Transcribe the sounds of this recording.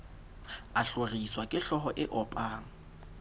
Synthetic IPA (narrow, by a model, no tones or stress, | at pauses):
aɬoriswakʼɪɬɔɦɔʔɪʔɔpʼaːŋ̩